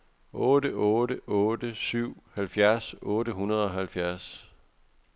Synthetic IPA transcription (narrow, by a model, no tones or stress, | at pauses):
ʔɔːɾəʔɔːɾəʔɔːdəsyʊ̰hælfjæɐsɔːɾəɦunɐðˠɒ̽hælfjæɐs